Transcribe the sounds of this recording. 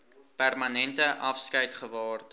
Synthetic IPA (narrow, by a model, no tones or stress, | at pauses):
pærmɐnɛntəʔɐfskɐjtχəvɑːrt